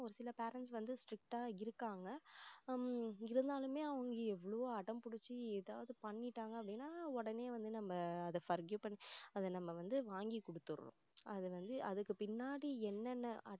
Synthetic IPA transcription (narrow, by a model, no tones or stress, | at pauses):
ɔɾɯsɪlɐpeːɾɐɳʈsʋɐnd̪ɯsʈɾɪk̚ʈaːɪɾɯkːaːŋɡɐ | ɪɾɯnd̪aːlɯmeːɐʋɐŋɡɐɛʋːɐɭɐʋoːɐɽɐmpʊɽɯt͡ʃːɯɛðaːʋɐðɯpɐɳːɪʈːaːŋɡɐɐpːɐɽɪnːaːɔɽɐneːʋɐnd̪ɯnɐmːɐːðɐfɐɾɡjupɐɳːiɐðɛnɐmːɐʋɐnd̪ɯʋaːŋɡikɔɽɯt̪ːɯɾ̰ʊ̰̃ | ɐðɯʋɐnd̪ɯʔɐðɯkːɯpɪnːaːɽiɛnːɐnːɐʔɐ